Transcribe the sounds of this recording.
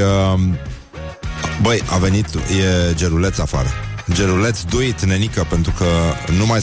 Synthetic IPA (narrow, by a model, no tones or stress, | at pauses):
ə | bəja̰ve̞nit̪je̞d͡ʒeɾule̞t̪safa̰ɾəd͡ʒe̞ɾule̞t̪sd̪uit̪ne̞nikəpe̞nt̪ɾukənumaj